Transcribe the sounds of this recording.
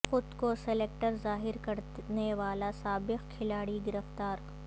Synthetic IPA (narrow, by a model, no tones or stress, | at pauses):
xʊd̪kosɛleːk̚ʈəɾzaːɦɪɾkɐɾneʋaːlasaːbɪqkʰɪlaːɽiɡɪɾəft̪aːɾ